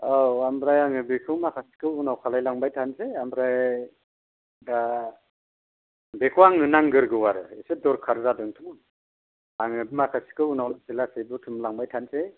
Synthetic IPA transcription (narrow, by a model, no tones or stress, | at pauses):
awambɾajaŋɯbikʰɯwmakʰasi̥kʰɯunawkʰalajlaŋbajtʰanseambɾaj | da | bekʰɯwaŋnɯnaŋɡɯɾɡɯwaɾɯesedɔɾkʰaɾzadɯŋtʰɯm | aŋɯbimakʰasi̥kʰɯunawlasilasebɯtʰɯmlaŋbajtʰanse